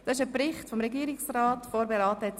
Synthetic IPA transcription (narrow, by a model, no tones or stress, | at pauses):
d̥ɑsɪʃəprɪχtfɔmɾɛɡiːɾɪksrɑːtfoːɾbeɾɑːtət